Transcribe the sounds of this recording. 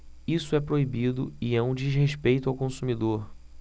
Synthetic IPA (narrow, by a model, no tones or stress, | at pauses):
isʊɛpɾoibid̪ʊɪɛũd͡ʒizɦeʃpejt̪ʊawkõsumid̪oɾ